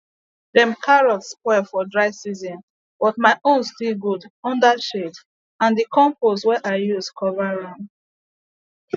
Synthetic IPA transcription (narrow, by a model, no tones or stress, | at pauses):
dɛ̃mkʰaɹɔtspɔfɔdɹaɪsizɔ̃n | b̥ɔt̚maɪʔõnstilɡudɔ̃ndaʃed | ãndikɔ̃mposwɛʔaɪjuskʰɔvaɹãm